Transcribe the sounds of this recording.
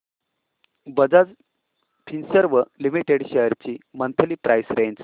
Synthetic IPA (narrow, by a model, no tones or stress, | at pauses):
bəd͡zad͡z | p̪ʰinsəɾʋəlimiʈeɽɕəəɾt͡ɕimənt̪ʰəliːpɾʔajsɾẽɲd͡z